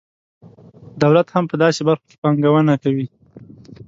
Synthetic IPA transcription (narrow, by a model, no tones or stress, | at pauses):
d̪awlat̪hampəd̪ɑsebaɾxo̥ke̥pɑŋɡawənakawi